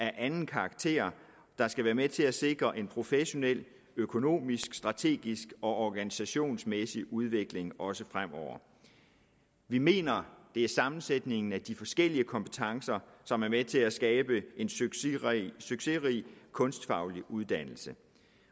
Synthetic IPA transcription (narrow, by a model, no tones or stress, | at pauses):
æɐʔænn̩kʰɑ̈ɡ̥̚t͡sʰe̝̰ːɐ | d̥ɑ̈sɡ̥æʋæːɐmet͡sʰe̝æse̝ɡ̥ʁɐʔe̝npʰʁo̝feɕo̝nel̰ | økʰo̝no̝̰ːmisɡ̥sd̥ʁɑ̈t͡sʰe̝̰ːɡ̥isɡ̥ɒ̽ʔɒɡ̥ænisæɕo̝̰ːnsmesiʔuð̞ˠʋe̝ɡ̥le̝ŋɒ̽səfʁam̰ɒʊ̰ɐ̰ | ʋime̝̰ːnɐd̥e̝æɐsɑ̈mn̩sed̥ne̝ŋn̩æd̥ifɒ̽sɡ̥el̰iəkʰɒ̽mpʰə̥t͡sʰɑ̈ŋsɐsɒ̽mæɐmet͡sʰe̝læsɡ̥ɛːb̥əe̝n | syɡ̥se̝ʁḭkʰɔ̽nsd̥fɑ̈ʊliʔuð̞ˠd̥æn̰l̩sə